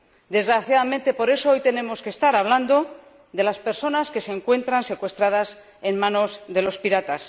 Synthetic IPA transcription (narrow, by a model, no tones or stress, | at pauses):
d̪e̞zɣɾaθjaðamẽnt̪e̞po̞ɾe̞so̞o̞jt̪e̞ne̞mo̞ske̞st̪aɾaβ̞land̪o̞ | ðe̞laspe̞ɾso̞naske̞se̞ːŋkwe̞nt̪ɾanse̞kwe̞st̪ɾaðas | e̞nmãno̞zðe̞lo̞spiɾat̪as